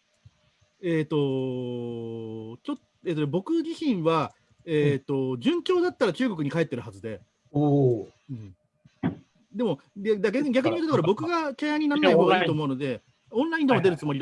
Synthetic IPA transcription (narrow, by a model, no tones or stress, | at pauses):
eːt̪ːo̞ | t͡ɕot̪ | et̪ːobo̞kɯ̟d͡ʑiɕĩɰ̃βa | et̪ːo̞d͡ʑɨ̃ŋkʲo̞ːd̪at̪ːaɾat͡ɕɨːɡo̞k̬ɯ̟ɲ̟ikae̞t̪ːe̞ɾɯ̟ɦazɨd̪e̞ | o | ɯ̟̃ɴ | d̪e̞mo̞ | ad̪aɡʲaeɡʲak̬ɯ̟ɲ̟imot̪oakaɾabo̞kɯ̟ɡakeaɲ̟ːinanːaiɦoːɡaiːt̪oːmo̞ɯ̟no̞d̪e̞ | õ̞nɾaĩnd̪e̞mo̞d̪e̞ɾɯ̟t͡sɨmo̞ɾʲid̪